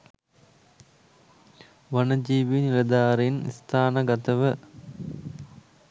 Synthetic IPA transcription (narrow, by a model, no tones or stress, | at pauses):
ʋanəd͡ʒiːʋinilɐd̪aːɾenḭst̪ʰaːnəɡat̪əʋə